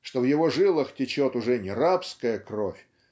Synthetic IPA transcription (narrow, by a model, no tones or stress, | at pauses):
ʂt̪ovjɪvoʐɨlˠəxtʲɪt͡ɕot̪ʊʐɛnʲɪɾapskəjəkrofʲ